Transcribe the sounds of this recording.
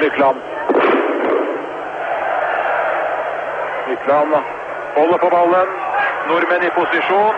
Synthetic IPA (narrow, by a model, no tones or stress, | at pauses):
ɾɪk̪ʰlɑn | ɪt̪ʰlɑn | hɔlːəpoːbɑlːənnʊɾmənipʊsɪʂuːn